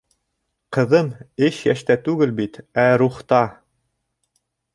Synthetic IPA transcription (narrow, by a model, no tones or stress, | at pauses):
qɤ̆ðɤmɘɕjæʃt̪æt̪ʉɡɘlbit̪æɾuχt̪ɑ